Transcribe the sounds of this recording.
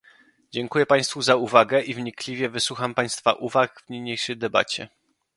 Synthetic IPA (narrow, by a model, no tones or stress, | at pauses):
d͡ʑɛŋkujɛpaj̃st̪fuzauvaɡɛʔivɲiklʲivʲjɛvɘswuxampaj̃st̪fa̰ʔuvakvɲiɲejʂɛjd̪ɛba̰t͡ɕɛ̰